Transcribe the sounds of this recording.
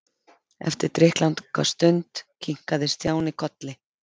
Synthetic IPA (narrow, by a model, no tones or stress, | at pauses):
ɛ̰ft̪ɪɾ̥t̪ɾɪhklant̪kʰva̰st̪ʏnt̪cʰiŋ̥kaðɪst̪ʰjaːwnɪkʰɔt̪lɪ